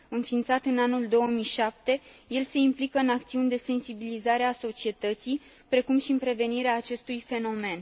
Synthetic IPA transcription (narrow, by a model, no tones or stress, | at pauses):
ɨnfint̪sat̪ɨnanuld̪o̞wəmijʃap̚t̪e̞je̞lse̞implikəɨnak̚t̪siunʲd̪e̞se̞nsibilizaɾeaso̞t͡ʃie̞t̪ət̪sij | pɾe̞kumʃiɨmpɾe̞ve̞niɾeaːt͡ʃe̞st̪ujfe̞no̞me̞n